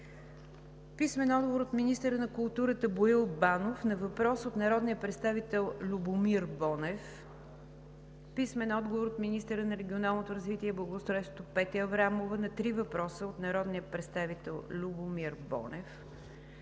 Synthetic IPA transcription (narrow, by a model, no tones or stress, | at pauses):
pismɛnɔd̪ɡovoɾot̪minist̪əɾənɐkʊlˠt̪uɾət̪əboilˠbanofnɐvɐpɾɔsot̪nɐɾɔd̪nijəpɾɛt̪st̪avit̪ɛlˠlʲubomiɾbɔnɛf | pismɛnɔd̪ɡovoɾot̪minist̪əɾənɐɾɛɡʲionalˠnot̪oɾəzvit̪iɛblˠɐɡoːst̪ɾɔist̪ot̪opɛt̪ɛɐvɾamovənɐt̪ɾivɐpɾɔsəot̪nɐɾɔd̪nijəpɾɛt̪st̪avit̪ɛlˠlʲubomiɾbɔ̰nɛf